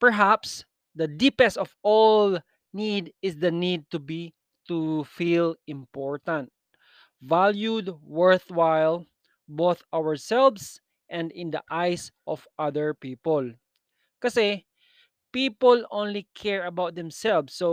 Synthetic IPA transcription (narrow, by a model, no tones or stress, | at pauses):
pɛɹɦaps | d̪ɐd̪ipɛsɔvɔl | nid̪ɪsd̪ɐnid̪̚t̪ubi | t̪ufilɪ̃mpɔɹt̪ãnt̪̚ | valjud̪̚wɛɹθwajl | boθawə˞sɛlvs | ʔɛ̃nd̪ɪ̃nd̪ɐ̰ʔajsʔɔv̥ʔaðəɹpiːpɔl | kɐsɛ | piːpɔlõnlikʰɛɹɐbawt̪̚d̪ɛ̃msɛlvso